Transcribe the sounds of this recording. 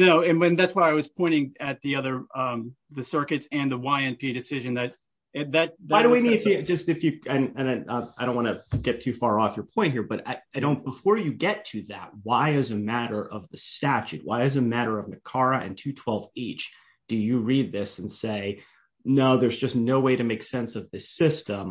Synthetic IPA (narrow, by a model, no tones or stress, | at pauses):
noʊɨ̃nɨ̃nðætswaɪaɪwʌz̥pʰɔ̃ɪ̃ɾ̃ɪ̃ŋɨt̪̚ðiʌðə˞ʌ | ðɨsɜ˞kɨtsɨ̃nðəwaɪɛ̃npʰiɾɨsɪʒɨ̃nðɨt̚ | ɨðɨt̪̚ðaɪɾəwinidɨd͡ʒʌstɨfjɨɨ̃nɨ̃nʌaɪdõnʔwɑ̃nɨɡ̥ɛtʰʉfɑɹɔfjə˞pʰɔ̃ɪ̃n̚hiɹbʌɾa̰ɪaɪdõʊ̃nb̥əfɔɹjɨɡɛtʰɨðæ̰t̚waɪɪzɨmæɾə˞ʔʌvðɨstæt͡ʃʉ̰t̚waɪɨzɨmæɾə˞ʌvnɨkʰɑɹɨʔɨ̰̃ntʰʉtʰw̥ɛlˠveɪt͡ʃ | d̥ɨjɨɹid̪̚ðɪsn̩seɪ | noʊðə˞zd͡ʒʌsnoʊweɪɾɨmeɪksɛ̃nsʌvðɪsɪstə̃m